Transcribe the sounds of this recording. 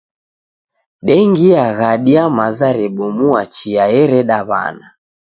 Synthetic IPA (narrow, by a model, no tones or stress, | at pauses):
ɗɛŋɡiaɣaɗiamazaɾɛɓɔmuat͡ʃiaɛɾɛɗaβa̰na